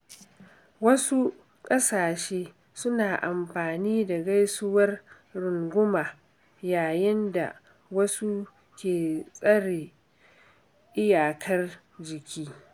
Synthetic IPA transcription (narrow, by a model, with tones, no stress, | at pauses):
wɐ˦su˦ | kʼɐ˦saː˨ʃeː˦ | sʊ˦naː˨ʔa˨mɸaː˨niː˦da˨ɡa˦jsʊ˦wɐ˦r | ɽʊ˨ŋɡʷʊ˦maː˨ | jaː˨jɪ˦nda̰˨ | wɐ˦su˦ | kʲeː˨sʼɐ˦ɽeː˨ | ʔɪ˦jaː˨kʰɐ˦r | d͡ʒɪ˨kʲiː˦